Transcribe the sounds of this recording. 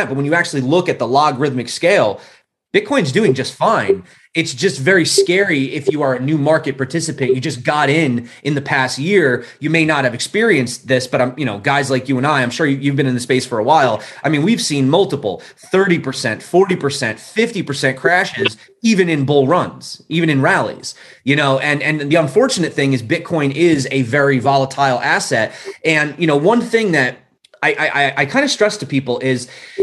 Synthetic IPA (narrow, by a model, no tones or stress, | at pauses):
b̥ʌt̚wə̃njɨæk̚t͡ʃʉl̩ˠilʊkɨt̪̚ðəlɑɡɹɪðmɨkskeɪlˠ | b̥ɪd̚kʰɔ̃ɪ̃nzdʉɪ̃ŋd͡ʒʌstfãɪ̃n | ɨtsd̥ʒ̥ʌstvɛɹiskɛɹiɪfjɨə˞ɨnʉmɑɹkɨt̚pʰɑɹtʰɪsɨpɨ̃njɨd͡ʒʌsɡ̥ɑɾɪ̃nʔɨ̃nðɨpʰæst̚jɪɹjɨmeɪnət̚hɨvɨkspɪɹiɨ̃nsðɪsb̥ʌɾãɪ̃mjɨɾ̃noʊɡaɪzlaɪkjɨə̃naɪãɪ̃mʃʊɹjjʉvbɨ̃ñɨ̃nðɨspeɪsfə˞əwaɪlˠaɪmĩnwiv̥sĩnmʌlˠtəpl̩ˠθɜ˞ɾipʰə˞sɛ̰̃ntfɔɹɾipʰə˞sɛ̃ntfɪftipə˞sɛ̃nkʰɹ̥æʃɪz | ivɨ̃nɨ̃nbʊlˠɹʌ̃nz̥ʔivɨ̃ñɨ̃nɹælˠḭz̥ | jɨñoʊʔɨ̃nɨ̃nðiə̃ɱfɔɹt͡ʃɨnɨt̪̚θɪ̃ŋɨzbɪt̚kʰɔ̃ɪ̃nɪzɨvɛɹivɑlˠətʰaɪlˠæsɛt̚ɨ̃njɨñoʊwʌ̃nθɪ̃ŋðɨɾ̚ | aɪʔaɪʔaɪʔaɪkʰãɪ̃ndɨstɹ̥ɛstʰɨpʰipl̩ˠɪz̥